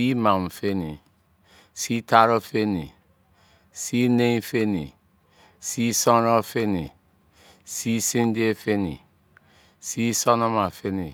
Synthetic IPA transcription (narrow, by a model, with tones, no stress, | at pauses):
i˦mã˨m̩˨fe˦nĩ˨ | si˦ta˦ɾɔ˦fe˦nḭ̃˨ | si˦nẽ˦ĩ˦fe˦nḭ̃˨ | si˦sɔ̃˦ɾɔ˦fe˦nĩ˨ | si˦sĩ˦n˦di˦e˦fe˦nḭ̃˨ | si˦sɔ˦nɔ̃˦mã˨fe˦nĩ˨